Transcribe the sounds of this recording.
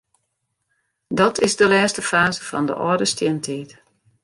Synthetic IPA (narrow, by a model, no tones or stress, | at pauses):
dɔtʰɪzdəlɛːstəfaːzəfɔ̰ndə̰ʔɔːdəstjɛntʰiːt